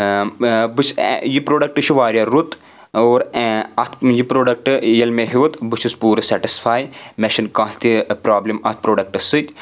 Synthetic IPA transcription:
bɨsjipɾoːɖɐk̚ʈɨʃʰiʋaːɾʲjɐɾut̪ | oːɾɐt̪ʰjipɾoːɖɐk̚ʈɨjɐlmeɦiʋɐt̪bɨʃispuːɾɨsɛʈisfʰaːjmeʃinkãːst̪ipɾaːblimɐt̪̚ʰpɾoːɖɐk̚ʈɐsɨt̪ʲ

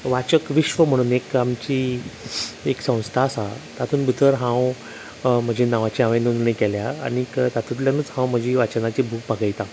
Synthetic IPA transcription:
ʋat͡ɕəkʋiɕʋəm̤əɽ̃uːnekamt͡ɕiː | eksə̃w̃st̪ʰasat̪at̪ʰuːnbut̪ʰəɾɦãw | m̤əd͡ʑenaʋat͡ɕiãʋẽnund̪ɳəkɛljaa̰ɽikt̪at̪ʰũt̪ljanuːt͡shãwm̤əd͡ʑiʋat͡ɕənat͡ɕibʱuːk̚bʱaɡəjt̪ã

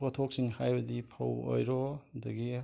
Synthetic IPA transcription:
pɐtʰok̚siŋhajbɐdipʰɐ̰wo̰jɾɔdɐɡi

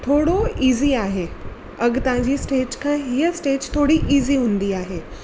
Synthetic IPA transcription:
t̪ʰoɽoiziaɦe | əɡt̪ãd͡ʑiːsʈed͡ʑkʰãɦiəsʈed͡ʑt̪ʰoɽiːʔiziːɦũnd̪iːaɦe

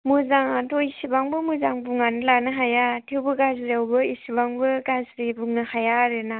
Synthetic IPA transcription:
muzaŋatʰoisibaŋbɯmuzaŋbuŋanɯlanɯɦajatʰiwbɯɡazɾawbɯisibaŋbɯɡazɾibuŋnɯhajaɾɯna

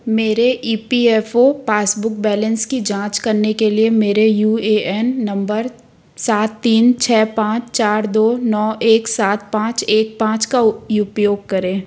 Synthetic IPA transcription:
meːɾeʔiːpiɛfopaːsbʊk̚bɛːlə̃nskid͡ʒãːt͡ʃkɐɾnekeliemeːɾejuːeːɛnːɐ̃mbəɾ | saːt̪ːiːnt͡ʃʰɛːpãːt͡ʃt͡ʃaːɾd̪oːnɔːeːksaːt̪̚pãːt͡ʃeːk̚pãːt͡ʃkaʊpjoːɡ̚kɐɾẽː

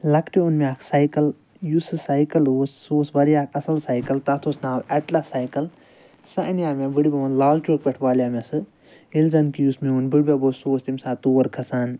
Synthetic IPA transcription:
lɐkʰʈiunmiaːkʰsɐjkɐl | jusɨsajkɐloːsːoːsbɐɾijaːkʰɐsɐlsajkɐlt̪ɐt̪ʰoːsnaːlɐʈlɐsajkɐl | sɐʔɐnjaːmebɨɽibʲeʋunlaːlt͡ʃoːk̚pʲeʈʰʋaːlijaːmesɨ | ilzɐnkijusmiunbɨɽbʲeboːsoːst̪imsaːt̪oːɐɾkʰɐsaːn

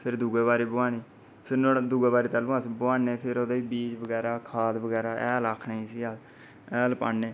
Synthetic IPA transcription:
pʰɪɾd̪uːɡeːbaːɾeːbʊaːniː | pʰɪɾnod̪uːɡeːbaːɾeːt̪alũːasboaːneːpʰɪɾoːd̪aːiːbiːd͡ʒbəɡɛːɾaːkʰaːd̪bəɡɛːɾaːʔɛːlaːkʰnaːiːsiːaː | ɛːlpa̰ːnːeː

